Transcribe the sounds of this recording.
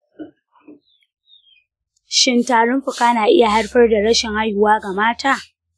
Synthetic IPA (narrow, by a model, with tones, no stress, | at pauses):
ʃɪ˦ntaː˨ɽʊ˦mɸʊ˨kaː˦naː˨ʔɪ̰˦ja˨ha˦rɸɐ˦rda˨ɽɐ˦ʃɪ˨ŋha˦jʊ˨waː˦ɡa˨maː˦taː˦˨